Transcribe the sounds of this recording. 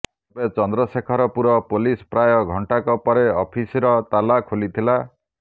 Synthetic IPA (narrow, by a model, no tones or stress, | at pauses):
bet͡ʃɔnd̪ɾɔsekʰɔɾɔpuɾɔpolispɾajɔɡʱɔɳʈakɔpɔɾeɔpʰisiɾɔt̪alakʰolit̪ʰila